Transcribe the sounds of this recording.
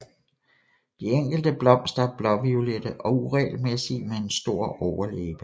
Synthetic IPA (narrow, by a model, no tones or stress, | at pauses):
d̥ieŋ̰ɡ̥l̩d̥əb̥lɒ̽m̰sd̥ɐb̥lɒ̽ʋiuled̥əʔɒ̽uʁɛ̰ːlmesimee̝nsd̥o̝ɐ̰ɒʊɐlḛːb̥ə